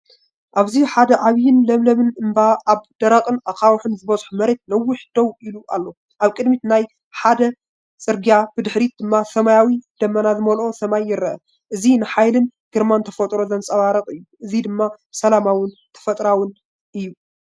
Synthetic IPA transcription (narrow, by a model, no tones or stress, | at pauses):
ʔaβziħad̪ɐʕaβjɪnlɐmlɐβɨnɨmbaʔaβd̪̥ɐɾɐqʼɨnakʼawħɨnzɨβɐzʼħumɐɾe̞t̪̚lɐwːʊħd̪̥ɐwʔiluʔalːo̞ | ʔaβkʼɨd̪mit̪naj | ħad̪ɐ | sʼɨɾɡijabɨd̪ɨħɾit̪̚d̪ɨmːasɐmajawid̪̥ɐmːɐnazɨmɐlʔo̞sɐmajːɪɾɐʔɐ | ʔɨzinɨħajlɨnɡ̥ɨɾmant̪ʰɐfɐt̪ʼɾo̞zɐnsʼɐβaɾɐqʼɨjːuʔɨzid̪ɨmːa | sɐlamawɨnt̪ʰɐ̥fɐt̪ʼɾawɨn | ʔɨjːu